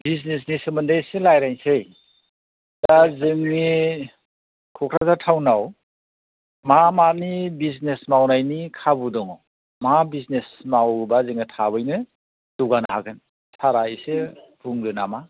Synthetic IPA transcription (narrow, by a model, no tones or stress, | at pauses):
biz̬nes̬nesɯmɯndajselajɾajnsej | d̥azɯŋni | kʰɔkʰɾazatʰawnaw | mamanibiznesmawnajnikʰabudɔŋɔ | mabiznesmawbazɯŋitʰabɯjnɯ | d̥uɡanahakʰɯn | saɾaise | bʰuŋdɯnama